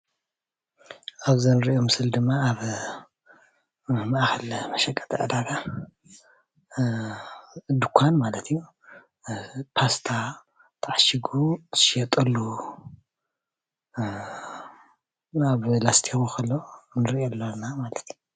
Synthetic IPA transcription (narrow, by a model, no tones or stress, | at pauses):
ʔaβzɐnɨɾiʔomɨsɨld̪ɨmːaːβ | maʔxɐlmɐʃɐkʼːɐ̥t̪ʰɐʕɨd̪aɡa | d̪ɨkʷʰːanmalɐt̪ʰiju | pʰast̪ʰa | t̪ʰaʕaʃiɡut̪ʰɨʃjɛt̪ʼɐlːu | aβlast̪ʰixukʰɐlːo̞nɨɾʔelːonamalɐt̪ʰiju